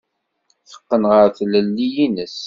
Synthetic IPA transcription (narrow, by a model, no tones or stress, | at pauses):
θə̥qːənʁəɾθləlːijinəs